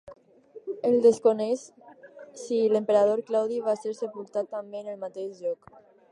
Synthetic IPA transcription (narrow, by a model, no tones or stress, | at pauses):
eld̪eskoneʃ | silempeɾað̞oɾklawðiβaseɾsepulˠt̪at̪ːambeːnəlmat̪eʃʎɔk